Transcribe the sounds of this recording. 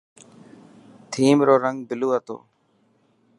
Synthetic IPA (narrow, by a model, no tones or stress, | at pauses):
t̪ʰiːmɾoːɾəŋɡ̚bɪluːət̪o̰ː